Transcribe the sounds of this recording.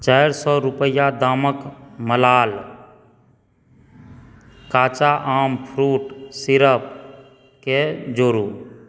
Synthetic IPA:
t͡ʃəjɾsɔːɾupəjad̪aːməkməlaːl | kaːt͡ʃaʔaːmpʰɾuːʈsiɾəp̚ | ked͡ʒoːɾu

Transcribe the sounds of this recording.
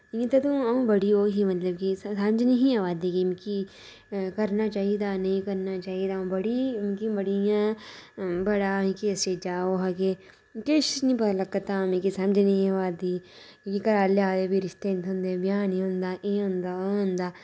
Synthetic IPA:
it̪ɐt̪ũɐũbɐɽioːɦimɐt̪ləbkissɐmd͡ʒnɐɦĩaʋaːd̪ikimki | kɐɾnat͡ʃaːɦid̪aːnɐɦĩkɐɾnat͡ʃaːɦid̪aũbɐɽimkibɐɽijãː | bɐɽãːkiɐst͡ʃed͡ʒaːoɦake | keʃisnĩpɐt̪alɐkːət̪aːmẽkisɐmd͡ʒnɐɦĩaʋaːd̪iː | kokikɐɾaːleaːd̪ebiɾɪst̪ent̪ɦõːnd̪ẽbjãːnĩɦõnd̪aːʔẽɦõnd̪aɦʊ̃nd̪aː

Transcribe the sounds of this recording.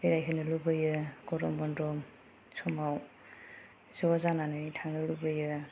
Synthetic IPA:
bejɾajkʰɯnɯlubɯjɯɡɔɾɔmbɔndɾɔm | sɔmaw | zɔzananɯtʰaŋnɯlubɯjɯ

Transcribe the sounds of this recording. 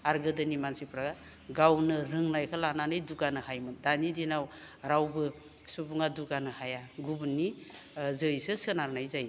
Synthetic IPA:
aɾɡɯdɯnimansipʰɾaɡa | ɡawnɯɾɯŋnajkʰɯlananɯjduɡanɯhajmɯndanidinaw | ɾawbɯ | subuŋaduɡanɯhajaɡubunːizɯjsɯsɯnaɾnajzaj

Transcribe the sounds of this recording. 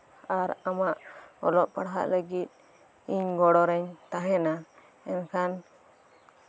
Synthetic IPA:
aɾamaʔɔlɔʔpaɽɦa̰ʔləɡit̪̚ | iɲɡɔɽɔɾɛɲt̪aɦɛna | ɛnkʰan

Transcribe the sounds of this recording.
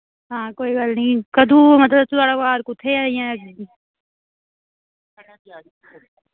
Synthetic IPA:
ɦãːkoːiɡalnĩkəd̪ʱũːmət̪ləbt̪uaːɽakaːɾkʊt̪ʰːeaɪ̃jãi

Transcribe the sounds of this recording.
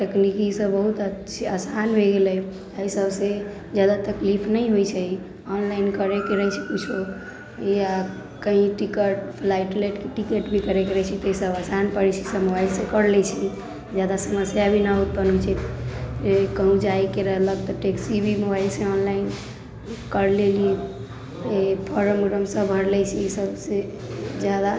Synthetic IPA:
ʈ̪əknikisəbbəɦut̪ət͡ʃʰasanbʱeɡelɛ | əisəbse | d͡ʒad̪at̪əklipʰnəjɦojt͡ʃʰɛi | ɔnlainkəɾekeɾəɦɛt͡ʃʰɛkut͡ʃʰo | ja | kəɦĩʈikəʈpʰlaiʈleʈkeʈikeʈbʱikəɾekeɾət͡ʃʰɛt̪ɔisəbasanpəɾit͡ʃʰisəmobailsepəɽlɛt͡ʃʰɛ | d͡ʒjad̪asəməsjabʱinaut̪̚pənot͡ʃʰɛ | kəɦũd͡ʒajkeɾəɦləkt̪ɔʈeksibʱimobailsẽɔnlain | kəɾleli | pʰəɾəmɡɾəmsə̃bʱəɾlɛt͡ʃʰɛisəbse | d͡ʒjad̪a

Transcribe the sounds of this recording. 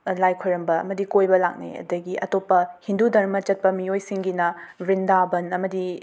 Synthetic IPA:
lajkʰojɾɐmbɐɐ̰mɐdikojbɐla̰k̚nḛɐ̰dɐɡiʔɐ̰topːɐhindudɐɾmɐt͡ʃɐt̚pɐmijojsiŋɡinɐɾindabɐnɐmɐdi

